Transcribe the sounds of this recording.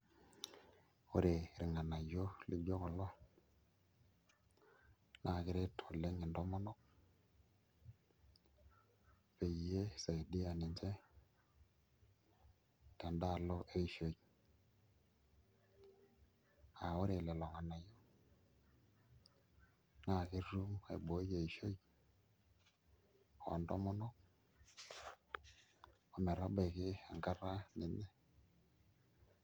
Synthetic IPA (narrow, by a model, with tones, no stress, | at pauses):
o˦ɾe˨ɾi˨ŋa˨na˨jo˦lḭ˦kd͡ʒo˦kɔ˨lɔ˦ | na˦˨kɪ˨ɾe˦tʰo˨lːe˦ŋɪ˨ndɔ˦ma˦nɔ˦k̚ | pe˨˦e˦sa˨i˨di˦a˨ni˨nd͡ʒe˦ | te˨nda˦˨lo˦ʔe˦ʃo˨j | a˨wʊ˦ɾɪ˨lɛ˨lɔ˨ŋa˨na˨jo˦ | na˨kɪ˦ɾu˦mḛ˨bo˨˦je˨i˨ʃo˦j | ɔ̰˨ndɔ˦mɔ˦nɔ˦k̚ | ɔ˨mɛ˨ɾa˦bɛ˨kɪ˦a˨ŋka˦ɾa˦nɪ˨nɛ˦